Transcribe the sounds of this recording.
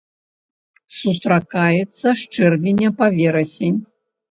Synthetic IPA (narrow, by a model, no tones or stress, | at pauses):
sust̪ɾakajɛt̪sːɐʂt͡ʂɛrvʲinʲɐpavʲɛɾɐsʲenʲ